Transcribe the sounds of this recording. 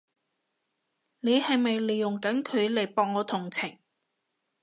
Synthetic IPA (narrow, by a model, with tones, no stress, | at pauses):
ne˨˧jhɐ˨jmɐ˨jle˨˩jːʊ˨˩ŋkɐ˨˥nkʰɵ˨˧ɥle˨˩jpɔː˨ŋːɔː˨˧t̪ʰʊ˨˩ŋt͡sʰɪ˨˩ŋ